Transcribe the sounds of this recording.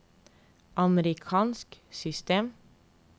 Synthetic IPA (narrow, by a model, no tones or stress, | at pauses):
ʔɑməɾɪkʰɑːnsksʏst̪eːm